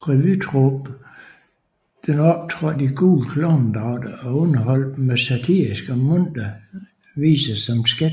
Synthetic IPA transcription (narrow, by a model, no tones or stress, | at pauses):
ʁɛʋyt͡sʰʁob̥ | d̥enɒ̽b̥̚t͡sʰʁɔ̽d̥iɡ̥uːlkʰlɔʊnd̥ɑ̈ʊd̥əɒ̽ɔnɐɦɒ̽l̰d̥mesæt͡sʰiisɡ̥əmɔn̰d̥ɐ | ʋḭːsɐsɒ̽msɡ̥ed